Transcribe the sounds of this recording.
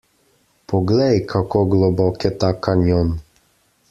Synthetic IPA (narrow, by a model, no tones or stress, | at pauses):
pɔɡlɛjkʰakoɡlɔbɔkɛt̪akanjɔn